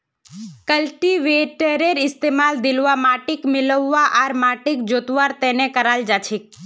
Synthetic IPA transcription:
kəlʈiʋeʈəɾeɾɪst̪emald̪ɪlʋamaʈikmɪləʋːaʔaɾmaʈik̚d͡ʒot̪ʋaɾt̪enekəɾald͡ʒat͡ʃʰik̚

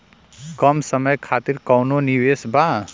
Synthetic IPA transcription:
kʌmsʌmʌjkʰat̪iɾkʌwnoniwesba

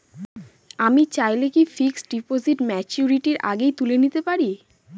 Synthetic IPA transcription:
amit͡ɕajlekifiksɖipoziʈmɛt͡ɕuɾiʈiɾʔa̰ɡejt̪ulenit̪epaɾi

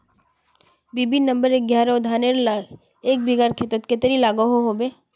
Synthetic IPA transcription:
biːbinɐ̃mbəɾek̚ɡjaːɾad̪ʱaːneɾla | eːk̚biɡaɾkʰet̪ət̪ket̪əɾilaːɡoɦoɦobeː

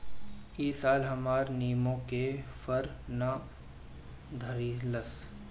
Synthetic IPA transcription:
iːsaːlɦɐmaːɾniːmõkefʰəɾna | d̪ʱəɾiːləs

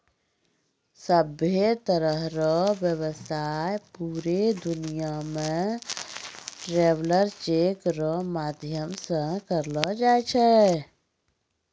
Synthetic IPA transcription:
səbet̪əɾəɦɾɔbjəwəsajpuːɾed̪unijamẽ | ʈɾeʋləɾt͡ʃekɾɔmaːd̪ʱjəmsə̃kəɾlɔd͡ʒaet͡ʃʰɛ

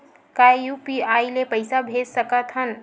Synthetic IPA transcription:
kajjupiajlepəjsabʱed͡zsəkat̪ɦən

